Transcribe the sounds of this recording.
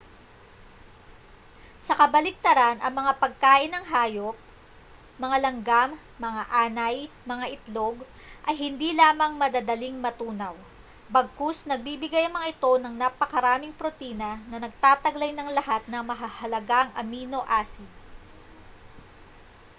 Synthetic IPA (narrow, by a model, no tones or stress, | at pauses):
sɐkɐbɐlɪk̚t̪ɐɾanʔɐŋmɐŋapɐɡ̚kaːʔɪnɐŋɦaːjok̚ | mɐŋalɐŋɡamː | ɐŋaʔaːnɐj | mɐŋaʔɪt̪lo̞ɡ | ʔɐjɦɪnd̪ilaːmɐŋmɐd̪ad̪ɐliŋmɐt̪uːnɐw | bɐɡ̚kusnɐɡ̚bibɪɡajɐŋmɐŋaʔɪt̪o̞nɐŋnapɐkɐɾaːmɪŋpɾot̪iːnɐnɐnɐɡ̚t̪aːt̪ɐɡlɐjnɐŋlɐhat̪̚nɐmɐɦɐhɐlɐɡaŋʔɐmiːno̞ʔaːsi